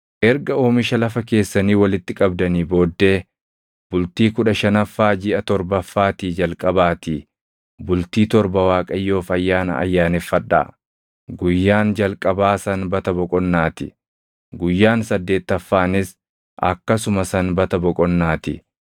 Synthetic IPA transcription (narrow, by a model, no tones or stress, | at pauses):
ʔɛɾɡɐo̞ːmɪʃɐlɐfɐke̞ːsːɐniːwɐlɪt̪ːɪkʼɐbd̪ɐniːbo̞ːd̪ːe̞ː | b̥ʊlt̪iːkʊᶑɐʃɐnɐfːaːd͡ʒɪʔɐt̪ɔɾbɐfːaːt̪iːd͡ʒɐlkʼɐbaːt̪i | bʊlt̪iːt̪ɔɾbɐwaːkʼɐjːo̞ːfɐjːaːnɐ̰ʔɐ̰jːaːnɛfːɐᶑa̰ː | ɡʊjːaːnd͡ʒɐlkʼɐbaːsɐnbɐt̪ɐbɔkʼɔnːaːt̪ɪ | ɡʊjːaːnsɐd̪ːe̞ːt̪ːɐfːaːnɪs | ɐ̰kːɐsʊmɐsɐnbɐt̪ɐbɔkʼɔnːaːt̪ɪ